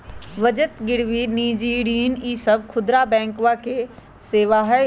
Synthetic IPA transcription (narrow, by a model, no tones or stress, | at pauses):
ʋəd͡ʒət̪ɡɪɽʋiniːd͡ʒiɽiːniːsɐbkʰʊd̪ɾabɛ̃ːŋkʋake | seːʋaɦ